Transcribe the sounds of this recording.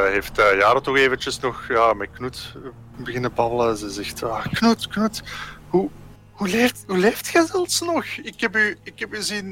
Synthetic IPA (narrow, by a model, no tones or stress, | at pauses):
ɦeːftəjaːɾətɔxeːvəntəsnɔxjaːmɛjknut | bəɣɪnəbɑblˠəzɛzɛxtaːknutknuthu | huleːfthuleːftxəzɛlˠfsnɔxɪkhɛpyɪkhɛpəzin